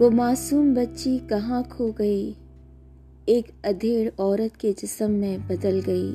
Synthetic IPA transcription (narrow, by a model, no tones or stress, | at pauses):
ʋoːmaːsuːmbɐtːʃikɐɦãkʰoːɡɐi | eːkɐd̪ʱeːɽɔːɾət̪ked͡ʒɪsəmːẽbɐd̪əlɡɐḭː